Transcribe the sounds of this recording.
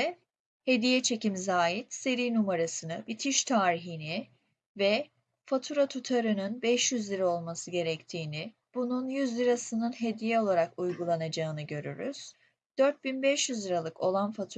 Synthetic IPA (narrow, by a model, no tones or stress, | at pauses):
he̞d̪ijɛt͡ʃʰe̞cimzaːɦit̪se̞ɾijnumaɾasɯnɯbit̪ʰiʃt̪ʰaːɾiɦini | vɛ | fat̪ʰuɾat̪ʰut̪ʰaɾɯnɯnbɛʃjyzlʲiɾao̞lˠmasɯɟe̞ɾɛct̪ʰiːni | b̥ununjyzlʲiɾasɯnɯnɦe̞d̪ijɛo̞lˠaɾakujɡulˠanad͡ʒaɯnɯɟø̞ɾy̰ɾy̰z̥ | d̪̥øɾt̪̚binbɛʃjyzlʲiɾalˠɯko̞lˠanfat̪ʰ